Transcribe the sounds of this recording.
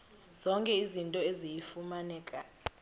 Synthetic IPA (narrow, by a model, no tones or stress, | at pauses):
z̥ɔŋkʼɛizintʼɔezijifumanɛːkʼa